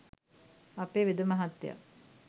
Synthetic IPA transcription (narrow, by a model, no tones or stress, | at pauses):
apeːʋid̪əmaɦat̪ːja̰